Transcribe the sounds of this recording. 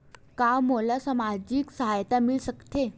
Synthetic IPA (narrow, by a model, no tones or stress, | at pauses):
kamolasəmad͡ʑiːksəɦajt̪amilsəkt̪e